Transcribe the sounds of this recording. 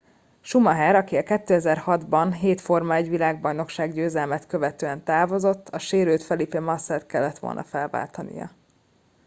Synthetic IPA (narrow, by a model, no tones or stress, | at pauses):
ʃumɒɦɛɾɒkiɒkɛt̪ːøːɛzɛrhɒd̪bɒnɦeːt̪fo̞rmɒɛɟʋilaːɡ̚bɒjno̞kʃaːɡɟøːzɛlmɛt̪kø̞vɛt̪øːɛnt̪aːvo̞zo̞t̪ːɒʃeːɾøːt̪fɛlipemɒsɛrt̪kɛlːɛt̪ʋo̰lnɒ̰fɛlva̰ːlt̪ɒnḭjɒ̰